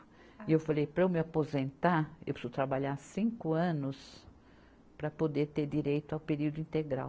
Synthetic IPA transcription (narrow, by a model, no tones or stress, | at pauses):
iewfalejpɾɐewmɪapozẽnt̪aḛwpsʊt̪ɾabaʎaɾsĩŋkʊɐ̃nʊs | pɾɐpod̪eɾt̪eɾd͡ʒ̪iɾejt̪ʊawpeɾiwd̪ʊĩnt̪eɡɾa̰w